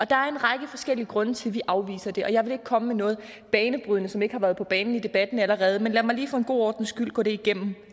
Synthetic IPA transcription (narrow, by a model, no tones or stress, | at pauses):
ʔɒ̽d̥ɑ̈æɐe̝nʁɑ̈ɡ̥əfɒ̽sɡ̥el̰iɡ̥ʁɔ̽nət͡sʰe̝lʋiʔɑ̈ʊʋḭːsɐd̥e̝ʔɒ̽jɑ̈ɪʋe̝le̝ɡ̥̚kʰɒ̽məmenɔ̽ːð̩ˠ | b̥ɛːnəb̥ʁyðˠnəsɒ̽me̝ɡ̥hɑ̈ʋæɐð̞ˠpʰɒ̽b̥ɛːnn̩id̥e̝b̥æd̥n̩æləʁɛːð̞ˠmenlæmɑ̈ɪliːfɔ̽ːe̝nɡ̥o̝̰ːɒːd̥n̩sɡ̥yl̰ɡ̥ɔ̰ːde̝iɡ̥em̰m̩